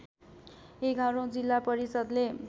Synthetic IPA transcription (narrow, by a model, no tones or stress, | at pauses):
eɡʱaɾõd͡zilːapʌɾisʌd̪le